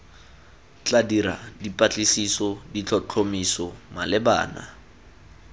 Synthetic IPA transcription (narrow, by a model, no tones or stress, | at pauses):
t͡ɬadiɾa̰dipʼat͡ɬʼisisɔdit͡ɬʰɔt͡ɬʰomisɔmalɪba̰ːna̰